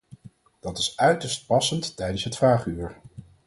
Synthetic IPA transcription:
d̥ɑtɪsœɥtəɹst̚pɑsənttɛjdənsɦətfraːχyːɹ

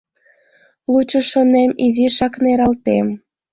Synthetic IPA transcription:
lut͡ɕəʃonemiziʃɑkneɾɑlt̪em

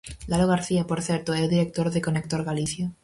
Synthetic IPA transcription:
laloɣ̞aɾθiapo̞ɾθje̞ɾt̪oelðiɾe̞k̚t̪o̞ɾðekonek̚t̪o̞ɾɣaliθjo

